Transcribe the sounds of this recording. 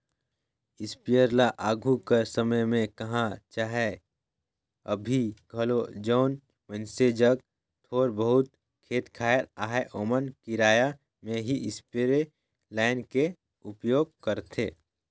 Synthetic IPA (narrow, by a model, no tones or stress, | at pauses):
ɪspijəɾlaʔaːɡʱukəɾsəməjmẽkɐɦãt͡ʃaːɦe | ə̰bʱiɡʱɐlod͡ʒɔːn | mə̃nsed͡ʒəɡ | t̪ʰoːɾbəɦʊt̪̚ | kʰeːt̪kʰaːjəɾaːɦeʔoːmənkiɾaːja | mẽɦiʔɪspeɾe | laːɪnke | ʊpjoːɡ̚kəɾt̪ʰeː